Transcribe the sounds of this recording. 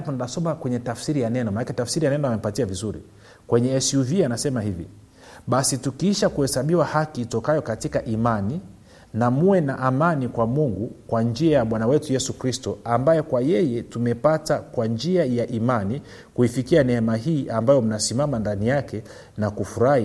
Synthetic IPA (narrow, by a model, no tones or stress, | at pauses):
apɔninasɔmakwɛɲɛtafsiɾijanɛnɔmanakɛtafsiɾijanɛnɔamɛpatiavizuɾḭ | kwɛɲɛːsuvianasɛmahivḭ | ɓasitukiiʃakuhɛsaɓiwahakitɔkajɔkatikaʔimani | namuwɛnaʔamanikwamuŋɡukwand͡ʒiajaɓwanawɛtujɛsukɾistɔambajɛkwajɛjɛtumɛpatakwand͡ʒiajaʔimani | kuifikianɛɛmaɦiːʔambajɔm̩nasimamandanijakʰɛ | nakufuɾahi